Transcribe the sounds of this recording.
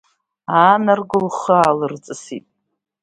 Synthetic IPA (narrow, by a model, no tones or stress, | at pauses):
anarɡɨlχəaːlɨrt͡sʼɨsitʼ